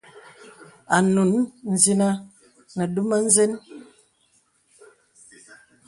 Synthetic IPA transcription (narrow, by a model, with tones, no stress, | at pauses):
a˨nu˨nn̩˨zi˦na˦ | nə˨du˦ma˦n̩˦zɛ˦n